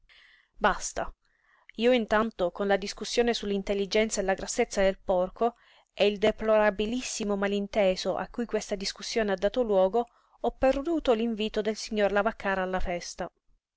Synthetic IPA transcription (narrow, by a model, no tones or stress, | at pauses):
bast̪a | iːoint̪ant̪okonlad̪iskusːjoːnesulːint̪elːid͡ʒɛnt̪saelaɡɾasːet̪sːad̪elpɔrko | ɛild̪eploɾabilisːimomalint̪eːsoʔa̰kːujkwest̪ad̪iskusːjoːnead̪ːaːt̪olwɔːɡo | ɔpːerd̪uːt̪oliɱviːt̪od̪elsiɲːorlavakːaːɾaːlːafɛst̪a